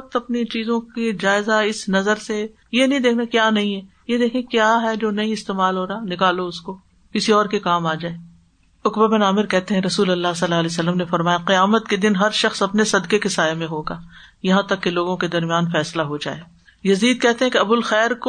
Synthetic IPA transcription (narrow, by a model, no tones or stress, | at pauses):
k̚t̪ɐpnit͡ʃiːzõkid͡ʒaːɪzaɪsnɐzəɾse | jenɐɦĩd̪eːkʰnakjaːnɐɦĩɦɛ | jed̪eːkʰẽkjaːɦɛd͡ʒoːnɐĩɪst̪eːmaːlɦoːɾaːnɪkaːloʊsko | kɪsiɔːɾkekaːmaːd͡ʒaːeː | ʊkbabɪnaːmɪɾkɛɦt̪eɦɛ̃ɾɐsuːlɐlːaːɦsɐlːaɐlesɐlːəmnefɐɾmaːjaqɪjaːmət̪ked̪ɪnɦɐɾʃɐxsɐpnesɐd̪kekesaːjamẽɦoːɡaː | jɐɦãt̪ɐkːeloːɡõked̪ɐɾmijaːnfɛːslaɦod͡ʒa̰ːeː | jɐziːd̪̚kɛɦt̪eɦɛ̃keɐbʊlxɛːɾko